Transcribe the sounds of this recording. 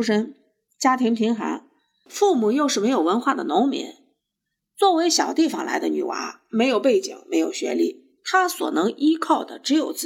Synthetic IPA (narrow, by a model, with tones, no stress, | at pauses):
ʂə˥n | t͡ɕja˥t̪ʰi˧˥ŋp̪ʰi˧˥ŋxa̰˧˥n | fu˥˩mu˨˩jo˥˧ʊʂɻ̩˥˩me˧˥ɪjo˨˩wə˧˥nxwa˥˩d̪ə̰˩nʊ˧˥ŋmḭ˧˥n | t͡swɔ˥˩we˧˥ɪɕjɑ˨˩ʊt̪i˥˩fɑ̰˨˩ŋlʔa̰˧˥ɪd̪ə̰˧ny̰˨˩wa̰˧˥ | me˧˥ɪjo˨˩ʊpe˥˩ɪt͡ɕḭ˨˩ŋme˧˥ɪjo˨˩ʊɕɥɛ̰˧˥li˥˩ | t̪ʰa˥swɔ̰˨˩nɤ˧˥ŋʔi˥kʰɑ˥˩ʊd̪ə̰˩ʈ͡ʂɻ̩˧˥jo˨˩ʊt͡s̩˥˩